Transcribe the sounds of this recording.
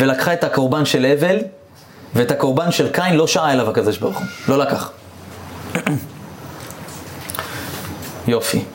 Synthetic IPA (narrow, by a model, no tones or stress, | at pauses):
velakχae̞thako̞ʁbanʃe̞leve̞l | veːthako̞ʁbanʃe̞lkainlo̞ʃaae̞lavhakad̪o̞ʃbaʁχulo̞lakaχ | jo̞fi